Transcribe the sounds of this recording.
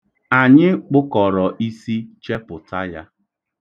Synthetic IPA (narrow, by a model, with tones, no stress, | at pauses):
a˨ɲɪ˦k͡pʊ˦kɔ˨ɾɔ˨ʔi˦si˦t͡ʃe˦pʊ˨ta˦ja̰˦